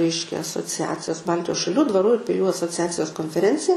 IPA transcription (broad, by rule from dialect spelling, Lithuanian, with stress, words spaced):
ˈrʲɛɪʃʲkʲɛ ɐsoːˈt͡sʲæːt͡sʲɪjoːs ˈbɐlʲtʲɪjoːs ʃɐˈlʲuː dʋɐˈruː ɪr pʲɪˈlʲuː ɐsoːˈt͡sʲæːt͡sʲɪjoːs koːnʲfʲɛˈrʲɛnʲt͡sʲɪjɛ